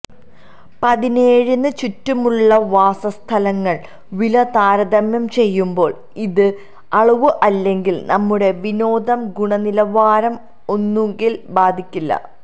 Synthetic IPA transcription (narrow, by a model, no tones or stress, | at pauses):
pɐðineːɻunːɨt͡ɕutːumuɭːɐʋaːsɐst̪ʰɐlɐŋːɐɭ | ʋilɐt̪aːɾɐd̪ɐmjɐmt͡ɕe̞jːumbo̞ːɭ | iðɨ | ɐɭuʋuʔɐlːe̞ŋɡilnɐmːuɽe̞ʋino̞ːd̪ɐmɡuɳɐnilɐʋaːɾɐm | o̞nːuŋɡilbaːd̪ʱikʲːilːɐ̰